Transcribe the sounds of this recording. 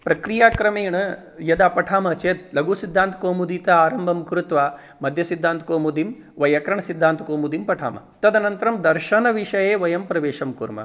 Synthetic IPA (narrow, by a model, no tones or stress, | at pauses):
pɾɐkɾijaːkɾɐmeːɳɐ | jɐd̪aːpɐʈʰaːmɐt͡ʃeːt̪̚lɐɡuːsid̪ːaːnt̪ɐ̥koːmud̪iːt̪ɐaːɾɐmbʱɐmkɾut̪ʋaː | mɐd̪ʱjɐsid̪ʱːaːnt̪ʰkoːmud̪im | ʋɐjɐkɾɐɳɐsid̪ʱːaːnt̪ɐkoːmud̪impɐʈʰa̰ːmɐ̰t̪ɐd̪ɐnɐnt̪ɐɾɐmd̪ɐɾʃɐnɐʋiʂɐjeːʋɐjɐmpɾɐʋeːʂɐmkuɾmɐ̰